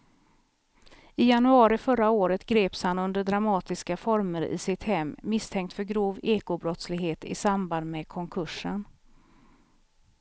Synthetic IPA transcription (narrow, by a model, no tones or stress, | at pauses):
ɪjanɵɑːɾɪfœɾːaoːɾət̪ɡɾeːpshanɵnd̪əɖɾamɑːt̪ɪskafɔɾməɾɪ̰ːsɪt̪hɛmːɪst̪ʰɛŋk̚t̪fœɾɡɾuːveːkʊbɾɔt̪slɪɡɦeːt̪ɪ̰samband̪mɛkʰɔŋkʰɵʂən